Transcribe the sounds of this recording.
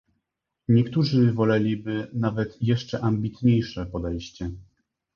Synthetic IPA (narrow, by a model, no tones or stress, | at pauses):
ɲɛkt̪uʐɘvɔlɛlʲibɘnavɛt̪jɛʂt͡ʂɛʔambʲit̪ɲejʂɛpɔd̪ɛjɕt͡ɕɛ